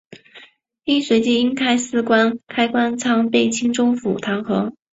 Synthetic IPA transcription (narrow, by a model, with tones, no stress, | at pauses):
i˥nswe˧˥ɪt͡ɕi˥˩i˥ŋt̪ʰa˥˧ɪsɹ̩˥˩kwa˥nkʰa˥ɪkwa˥nt͡sʰɑ˥ŋpe˥˩ɪt͡ɕʰi˥ŋʈ͡ʂʊ˥ŋfu˨˩t̪ʰɑ˧˥ŋxɤ˧˥